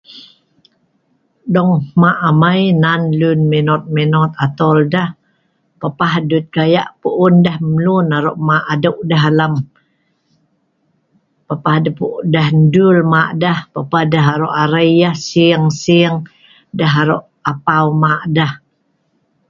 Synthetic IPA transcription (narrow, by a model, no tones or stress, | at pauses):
dɔŋmaʔamajnanlunminɔt̪̚minɔt̪at̪ɔldah | papahdut̪̚kajaʔpuʔundəhmlunaɾoʔmaʔadəwʔdaɦalam | papahdapuʔdahndulmaʔdahpapahdaɦaɾoʔaɾəjahsiəŋsiəŋ | daɦaɾoʔ | apawmaʔdah